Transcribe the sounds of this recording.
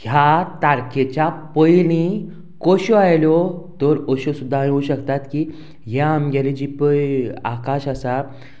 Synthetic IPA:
ɦjat̪aɾket͡ɕapɔjlĩ | koɕɔajljɔt̪ɔɾɔɕosud̪ʱːajuːɕəkt̪at̪ki | ɦjaamɡalid͡ʑipəja̰kaɕasa

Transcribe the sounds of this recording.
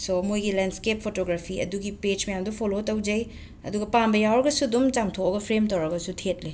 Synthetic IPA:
somojɡilenskepʰːotoɡɾapʰiɐ̰duɡiped͡ʒmɐjamdupʰolotɐwd͡ʒɐj | ɐ̰duɡɐpambɐjawɾɐɡɐsudumd͡ʒamtʰokɐɡɐpʰɾemtɐwɾɐɡɐsutʰet̚li

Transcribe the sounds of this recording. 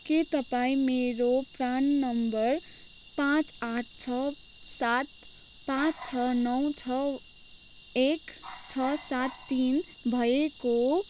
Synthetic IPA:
kit̪ʌpaĩmeɾopɾanːʌmbʌɾ | pãt͡sãʈʰt͡ʃʰʌ | sat̪ | pãt͡st͡ʃʰʌnʌw̃t͡ʃʰʌ | ekt͡ʃʰʌsat̪ːin | bʱʌeko

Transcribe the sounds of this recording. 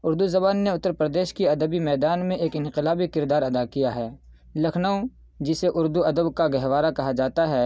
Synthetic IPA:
ʊɾd̪uzɐbaːnːeʊt̪ːəɾpɾəd̪eːʃkiɐd̪əbimɛːd̪aːnmẽʔeːkɪ̃nqɪlaːbikɪɾd̪aːɾɐd̪akijaɦɛː | lɐkʰnəõ | d͡ʒɪseʔʊɾd̪uɐd̪əbkaɡɛɦʋaːɾakɐɦad͡ʒaːt̪aɦɛː

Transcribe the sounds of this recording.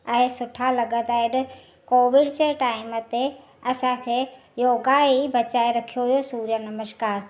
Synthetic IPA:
ə̃ẽsʊʈʰalɐɡəd̪aːɪɗ | koːʋɪɽt͡ɕeʈaːɪmət̪e | ɐsãkʰe | joːɡaibɐt͡ɕaːeɾɐkʰijoɦijosuːɾjənɐməʃkaːɾ

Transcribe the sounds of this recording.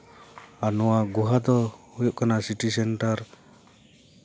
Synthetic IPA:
anɔwaɡuɦad̪ɔhujɔʔkanasiʈisɛnʈaɾ

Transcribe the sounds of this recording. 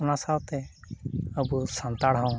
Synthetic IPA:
nasawt̪e | əbusãnt̪aɽɦaw̃

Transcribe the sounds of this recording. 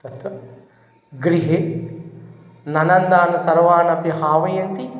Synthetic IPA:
t̪ɐt̪ʋɐ | ɡɾiɦe | nɐnɐnd̪aːnɐsɐɾʋaːnɐpjɐɦaːʋɐjɐnt̪i

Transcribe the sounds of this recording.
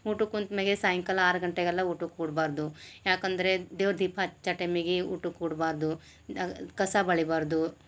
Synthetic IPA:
uːʈukunt̪meɡesaːjɐŋkɐlaːɾɐɡɐɳʈeɡɐlːɐuːʈukːuːɽbaːɾd̪ujaːkɐnd̪ɐɾed̪eːʋɐɾd̪ʱiːpʰat͡ʃɐʈemiɡiuːʈukːuːɽbaːɾd̪u | kɐsabɐɭibaːɾd̪u

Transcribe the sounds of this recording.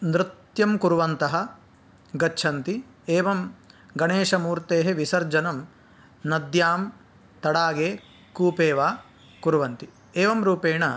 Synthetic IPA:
nɾɪt̪jɐmkuɾʋɐnt̪ɐɦɐ̆ | ɡɐːʃʰɐnt̪i | eːʋɐm | ɡɐɳeːʂɐmuːɾt̪eːɦeʋisɐɾd͡ʒɐnɐm | nɐd̪jaːm | t̪ɐɽaːɡeː | kuːpeːʋaː | kuɾʋɐnt̪i | eːʋɐmɾuːpeːɳɐ

